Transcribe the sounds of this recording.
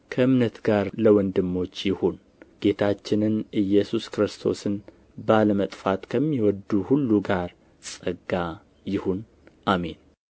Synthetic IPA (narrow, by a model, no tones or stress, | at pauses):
kʰəʔɨmnət̪ɡaɾləwɔnd̪ɨmːo̞t͡ʃːjɪhun | ɡ̥e̞t̪ʰat͡ʃːɪnɨnʔɨjːɛsuskɾɨst̪ʰo̞̰sɨn | baləmət̪ʼfat̪kʰəmːiwɔd̪uhulːuɡaɾ | sʼəɡa | jɪhun | ʔame̞n